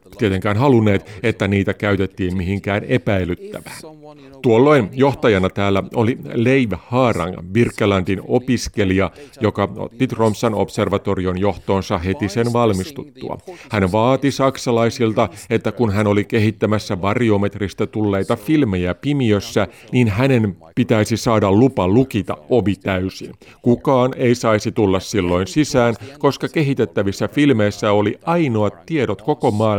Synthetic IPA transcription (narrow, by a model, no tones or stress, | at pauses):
t̪iet̪eŋkæːnɦɑlunːe̞ːt̪et̪ːæniːt̪ækæyɥt̪et̪ːiːmmiɦiŋkæːne̞pæjlyt̪ːæ̰ʋæːn | t̪uolːo̞jnjo̞ht̪ɑjɑnɑt̪æːlːæʔo̞lile̞jʋhɑːrɑ̰ŋʋirkːelɑndino̞piske̞liɑjo̞kɑo̰t̪ːit̪ro̞msɑno̞̰pse̞rʋɑt̪o̞rio̞njo̞ht̪o̞ːnsɑɦe̞t̪isenʋɑlmist̪ut̪ːṵɑ̰hænʋɑːt̪isɑksɑlɑjsilt̪ɑe̞t̪ːækunɦæno̞like̞ɦit̪ːæmæsːæʋɑriome̞t̪rist̪æt̪ulːe̞jt̪ɑfilme̞jæpimiøsːæ | niːnɦæne̞npit̪æisisɑːdɑllupɑlukit̪ɑ̰ʔʔo̞ʋit̪æysin | kukɑːne̞isɑisit̪ulːɑssilːo̞insisæːnko̞skɑke̞ɦit̪e̞t̪ːæʋisːæfilmeisːæo̞liʔʔɑjno̞ɑt̪ːiedot̪ko̞ko̞mɑː